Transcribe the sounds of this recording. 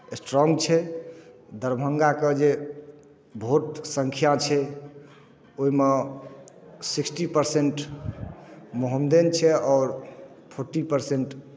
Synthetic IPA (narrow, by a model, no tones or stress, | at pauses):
esʈɾɔŋɡt͡ʃʰɛ | d̪əɾbʱəŋɡaked͡ʒe | bʱoʈ̪səŋkʰijat͡ʃʰɛ | oime | siksʈipəɾseɳʈ | moɦəmd̪ent͡ʃʰɛɔːɾ | pʰoɾʈipəɾseɳʈ